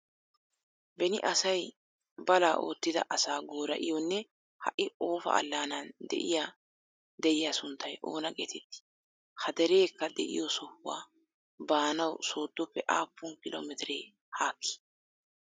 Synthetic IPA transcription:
bɛnɪʔɐsɐj | bɐlaːʔo̞̰ːt̪ːɪd̪ɐ̰ʔɐsaːɡoːɾɐʔɪ̰jɔnːɛ | hɐ̰ʔɪo̞ːfɐ̰ʔɐ̰lːaːnɐnd̪ɛ̰ʔɪjaː | d̪ɛʔɪjasʊnt̪ːɐjʔo̞̰ːnɐɡɛt̪ɛt̪ːɪ̥ | hɐd̪ɛɾe̞ːkːɐd̪ɛ̰ʔɪ̰jɔsɔhʊwa̰ː | baːnɐwso̞ːd̪ːɔpːɛʔaːpːʊnkɪlo̰ːmɛt̪ɪɾeː | haːkʰːɪ̥

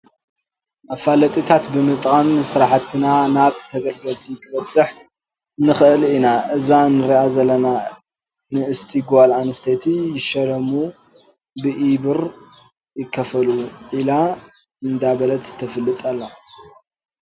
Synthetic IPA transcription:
ʔafalɐt̪ʼit̪ʰat̪bɨmɨt̪ʼqʼamsɨɾaħat̪ʰːɨnanaβt̪ʰɐɡɐlɡ̪ɐlt̪ʰikʰɨβɐt͡sʼːɨħ | nɨxɨʔɨlinaʔɨzanɨɾiʔazɐlːɐna | nɨɨst̪ʰiɡalanɨst̪ʰet̪ʰijɪʃɐɾɐmu | bɨʔiβɨɾ | jɪkʰːɐfɐluʔila | ɨnd̪abɐlɐt̪ʰːɐfɨlːɨt̪ʼalːa

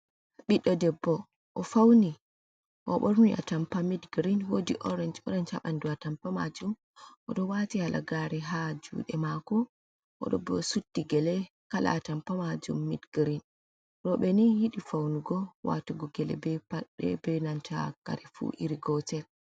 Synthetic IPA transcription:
ɓiɗɔdɛbːɔ | ʔɔfawni | ʔɔ̰ɓɔɾmiʔa̰tampamidɡɾinwodiʔɔɾɛnd͡ʒɔɾɛnt͡ʃaɓanduatampama̰d͡ʒum | ʔɔ̰ɗɔwatihalʔa̰ɡaɾɛɦad͡ʒṵːɗɛmakɔ | ʔɔ̰ɗɔ̰bɔsutːiɡɛlɛ | kala̰tampamad͡ʒṵmːidɡɾin | ɾɔɓɛnihiɗifawnuɡɔwa̰tuɡɔɡɛlɛ̰bɛpaɗɛ̰bɛnanta̰ka̰ɾɛfṵʔḭɾiɡɔtɛl

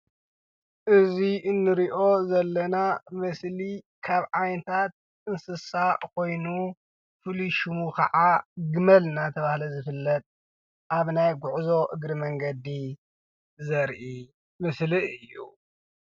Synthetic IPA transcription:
ʔɨziʔɨnːɨɾiʔo̞zɐlːɐnamɨsli | kʰaβʕajnɨt̪ʰat̪̚ | ɨnsɨsaʕkʰo̞jnu | fɨliʃumukʰɐ̰ʕaɡɨmɐlnat̪ʰɐβahlɐzɨfɨlːɐt̪̚ʼ | ʔaβnajɡʷuʕzo̞ʔɨɡɾimɐŋɡɐd̪i | zɐɾʔi | mɨsliʔɨjːṵ

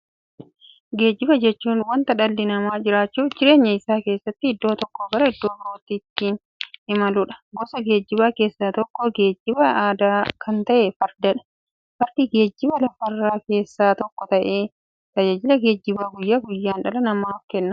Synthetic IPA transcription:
ɡe̞ːd͡ʒːɪbɐd͡ʒɛt͡ʃːuːnwɐnt̪ɐᶑɐlːɪnɐmaːd͡ʒɪɾaːt͡ʃːuːd͡ʒɪɾe̞ːɲːɐɪsaːke̞ːsːɐt̪ːɪɪd̪ːo̞ːt̪ɔkːoɡɐɾɐɪd̪ːo̞ːbɪɾoːt̪ːiːt̪ːiːn | ɪmɐlʊᶑɐ̥ɡɔsɐɡeːd͡ʒːɪbaːke̞ːsːaːt̪ɔkːɔɡe̞ːd͡ʒːɪbɐaːd̪aːkʰɐnt̪ɐʔeːfɐɾd̪ɐᶑɐ̥ | fɐɾd̪̥iːɡe̞ːd͡ʒːɪbɐlɐfɐrːaːke̞ːsːaːt̪ɔkːɔt̪ɐʔeː | t̪ɐd͡ʒaːd͡ʒɪlɐɡe̞ːd͡ʒːɪbaːɡʊjːaːɡʊjːaːnᶑɐlɐnɐmaːfkɛnːɐ

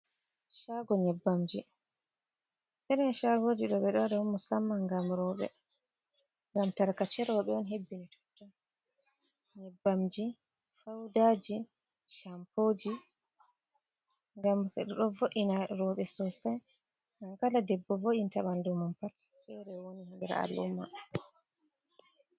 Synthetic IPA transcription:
ʃaɡɔɲɛbːamd͡ʒi | nɛɾɛnʃaɡod͡ʒiɗɔɓɛɗɔɗɔɔmːusamːaŋɡamɾɔɓɛ̰ | ŋɡamtaɾkat͡ʃɛɾɔɓɛɔnɦebːinitʰɔ̥tːɔ | ɲɛbːamd͡ʒi | fawdaːd͡ʒi | ʃampoːd͡ʒi | ŋɡamɗɗɔvoʔinaɾɔɓɛsɔsɛ | nankaladɛbːɔvoʔintaɓandɔmanpatɓɛɾɛwonihimbɛɾa̰a̰lṵmːa̰

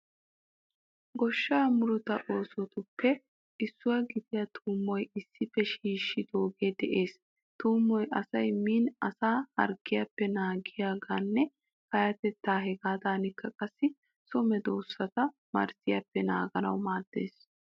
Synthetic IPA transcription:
ɡɔʃːaːmʊɾɔt̪ɐʔo̞ːsɔt̪ʊpʰːɛ | ʔɪsːʊwɐɡɪd̪ɪjɐt̪ʰuːmːɔjɪsːɪfːɛʃiːʃːɪd̪oːɡeːd̪ɛʔe̞ːs | t̪uːmːɔjʔɐsɐjmiːnɐsaːhɐ̰ɾɡɪjapːɛnaːɡɪjaːɡaːnːɛ | kɐjɐt̪ɛt̪ːaːɦɛɡaːd̪aːnɪkʰːɐkʼɐsːɪ | sɔmɛd̪oːsːɐt̪ɐ | mɐ̰ɾsɪjapːɛnaːɡɐnɐ̰wmaːd̪̥ːḛːs

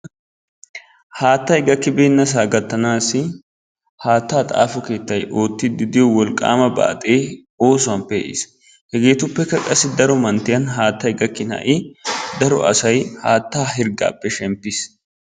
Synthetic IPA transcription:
haːt̪ːɐjɡɐkːɪbeːnːɐs̬aːɡɐt̪ːɐnaːsɪ | haːt̪ːaːt̪ʼa̰ːfɔke̞ːt̪ːɐjʔo̞ːt̪ːɪd̪ɪd̪ɪjɔwɔlkʼːa̰ːmɐba̰ːt̪ʼeː | o̞ːsʊwɐmpːɛɛ̰ʔɪ̰ːs | hɛɡe̞ːt̪ʊpːɛkːɐkʼɐsːɪd̪ɐɾɔmɐnt̪ɪjɐnɦaːt̪ːɐjɡɐkːɪnɐ̰ʔɪd̪ɐɾɔ̰ʔɐ̰sɐjhaːt̪ːaːɦɪɾɡa̰ːpːɛʃɛmpːɪs

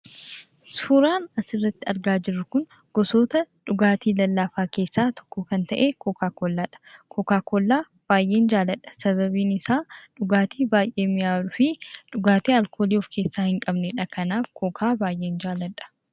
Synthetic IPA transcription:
suːɾaːnɐsɪrːɐt̪ːɪɐɾɡaːd͡ʒɪrːʊkʊn | ɡ̥ɔsoːt̪ɐᶑʊɡaːt̪iːlɐlːaːfaːke̞ːsːaːt̪ʰɔ̥kːɔkɐnt̪ɐʔeːkʰokaːkolːaːᶑɐ̥kʰɔkaːkoːlːaː | b̥aːjʔe̞ːnd͡ʒaːlɐᶑɐ̥sɐβɐβiːnɪsaːᶑʊɡaːt̪iːbaːjʔe̞ːmɪjaːlʊfɪᶑʊɡaːt̪eːɐlkʰoːliːɔfke̞ːsːaːhɪŋkʼɐbnɛᶑɐkɐnaːfkʰokʰaːbaːjʔeːnd͡ʒaːlɐᶑɐ̥

